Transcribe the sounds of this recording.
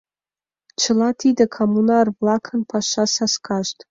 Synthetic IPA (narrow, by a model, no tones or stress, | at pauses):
t͡ʃʰɨlatʰid̪akʰomunarvlakʰənpʰaʃasaskʰaʃtʰʼ